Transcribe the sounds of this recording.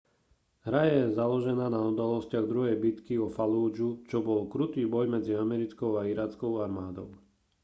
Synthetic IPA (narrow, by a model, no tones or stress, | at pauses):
ɦɾajɛzalɔʒɛnaːnaud̪alɔscɪaɣd̪ɾuɦɛjbit̪kiɔfaluːd͡ʒut͡ʃɔbɔlkɾut̪iːbɔjmɛd͡ziamɛɾit͡skɔʊaiɾaːt͡skɔʊaɾmaːd̪ɔʊ